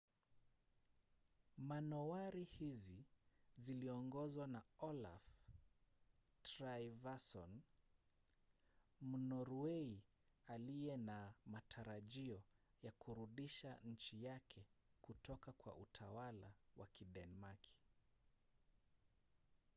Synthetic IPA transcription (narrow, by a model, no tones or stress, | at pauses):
manɔaɾihiziziliɔŋɡɔzwanaɔla̰f | tɾaivasɔ̰n | munɔɾuwɛi | alijɛnamatʰaɾaʄiɔ | jakuɾuɗiʃaɲ̩t͡ʃijakʰɛkutɔkakwa̰ʔutʰawala̰wʔa̰kiɗɛnmakʰi̥